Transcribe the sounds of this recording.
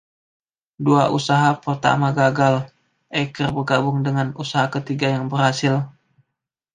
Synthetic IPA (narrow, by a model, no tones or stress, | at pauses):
dua̰ʔusaɦapərt̪a̰maɡaɡal | ʔekərbərɡabʊŋdəŋanusaɦakət̪iɡajaŋbərhasɪl